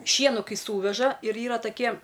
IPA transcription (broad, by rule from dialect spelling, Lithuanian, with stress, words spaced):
ˈʃʲiɛnʊ ˈkɐɪ ˈsuːʋʲɛʒɐ ɪr ˈiːrɐ tɐˈkʲiɛ